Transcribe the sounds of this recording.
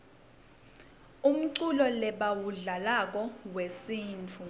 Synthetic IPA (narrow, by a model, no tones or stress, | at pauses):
um̩ǀulɔlɛɓawuɮalak̬ɔwesiːnt͡fʰu